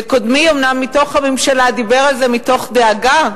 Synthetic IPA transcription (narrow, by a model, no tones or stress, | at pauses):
ko̞d̪miomnamːito̞χamimʃalad̪ibe̞ʁalze̞mito̞χd̪eaɡa